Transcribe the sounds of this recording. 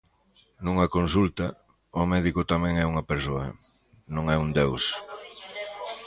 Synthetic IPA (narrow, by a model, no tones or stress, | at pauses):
nũŋɐkonsult̪ɐ | ʊmɛðikʊt̪amɛ̃ŋɛuŋɐpeɾsoɐ̰ | nõŋɛund̪ews